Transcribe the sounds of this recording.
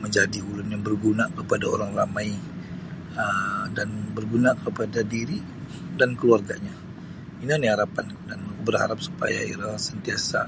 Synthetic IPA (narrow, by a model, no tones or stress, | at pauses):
məɲd͡ʒadiɦulʊnjaŋbərɡunakəpadao̰ɾaŋramaj | ədanbərɡunakəpadadiɾi | dankəluarɡaɲa | inaniɦaɾapandanbərha̰ɾap̚su̥pa̰ja̰ḭɾasənt̪iasa